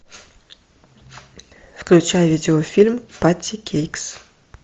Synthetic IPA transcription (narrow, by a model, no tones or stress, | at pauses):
fklʲʉt͡ɕajvʲidʲɪofʲilʲmpat̪ʲːɪkʲʰejks